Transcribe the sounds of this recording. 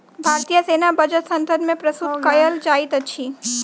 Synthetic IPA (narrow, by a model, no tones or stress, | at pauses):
bʱaɾt̪ijəsenabʱəd͡ʒət̪sənt̪əd̪mẽpɾəsukəjəld͡ʒait̪ət͡ʃʰi